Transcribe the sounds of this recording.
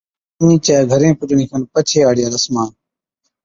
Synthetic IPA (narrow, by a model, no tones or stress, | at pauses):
ĩːt͡ʃaːɡʱəɾẽːpʊt͡ʃnĩːkʰənpət͡ʃʰeːaːɽɪjaːləsmaːn